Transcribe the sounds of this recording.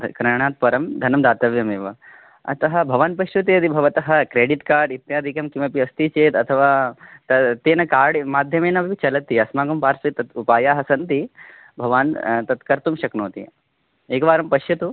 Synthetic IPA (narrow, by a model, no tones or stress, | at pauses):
kɾɐɳ̃aːt̪̚pɐɾɐmd̪ʱɐnɐmd̪aːt̪ɐʋjɐmeːʋɐ | ɐ̰t̪ɐɦɐ̆bʱɐʋaːnpɐʃjɐt̪eɐt̪ibʱɐʋɐt̪ɐɦɐ̆kɾeːɖiʈkaːɾɖit̪jaːd̪ʱikɐmkiʋɐpiɐst̪it͡ʃeːt̪ɐt̪ʰɐʋaːt̪ɐt̪ːeːnɐkaːɾɖmaːd̪ʱjɐmeːnɐʋiʋit͡ʃɐlɐt̪ːiɐsmaːɡɐmpaːɾsɐt̪ɐt̪upaːjaːɦɐsɐnt̪i | bʱɐʋaːnt̪ɐt̪kɐɾt̪umʃɐknoːt̪ḭ | eːkʋaːɾɐmpɐʃjɐt̪u